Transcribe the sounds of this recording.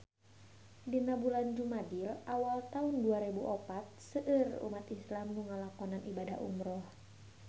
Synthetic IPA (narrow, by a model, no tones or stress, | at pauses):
dinabuland͡ʒumadilawalt̪aunduaɾɛbuʔɔpat̪̚səʔɨrṵmat̪islamŋuŋalakɔnanibadahṵmɾɔh